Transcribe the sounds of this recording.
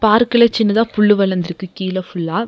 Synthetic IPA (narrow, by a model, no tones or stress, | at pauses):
paːɾkɪlɐt͡ʃɪnːɐðaːpʊɭːɯʋɐlɐnd̪ɪɾɯkːɯkiːlɐfʊɭːaː